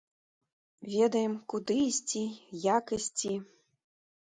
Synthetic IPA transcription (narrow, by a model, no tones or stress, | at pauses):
vʲɛd̪ɐjɛmkud̪ɨisʲt͡sʲijakisʲt͡sʲi